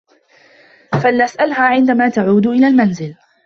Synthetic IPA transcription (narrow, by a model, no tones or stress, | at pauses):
falnasʔalɦaːʕɪnd̪amaːt̪aʕuːd̪ʔɪlaːlmanzɪl